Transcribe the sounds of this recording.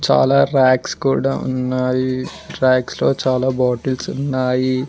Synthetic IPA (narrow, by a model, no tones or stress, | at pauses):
t͡ʃa̰ːlaːɾaːkskuːɽa̰ːṵnːaːjiɾaːkslo̞ːt͡ʃaːlaːbaːʈɐlsunːaːji